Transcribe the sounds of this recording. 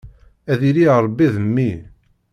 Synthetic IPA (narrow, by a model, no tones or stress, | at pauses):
æðiɾiəɾˤbːiðəmːi